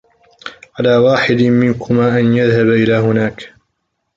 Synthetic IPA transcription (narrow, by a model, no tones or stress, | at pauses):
ʕalaːwaːħɪd̪mɪnkʰʊmaːʔanjaðhabʔɪlaːɦʊnaːk